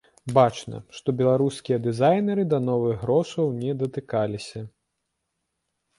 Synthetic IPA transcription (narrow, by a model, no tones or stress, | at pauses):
bat͡ʂnɐ̰ʂt̪ɔbʲɛlˠaɾuskʲijɐd̪ɨzajnʲɛɾɨd̪ɐnɔvɨɣːɾɔʂɐwnʲɛd̪ɐt̪ɨkalʲisʲɐ